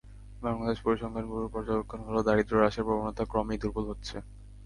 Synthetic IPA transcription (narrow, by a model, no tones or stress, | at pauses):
baŋlad̪eʃpoɾiʃɔŋkʰanbuɾopɔɾd͡ʑookʰːonɦolod̪aɾid̪ɾoɾaʃeɾpɾobonot̪akɾɔmid̪uɾbulɦotːɕʰe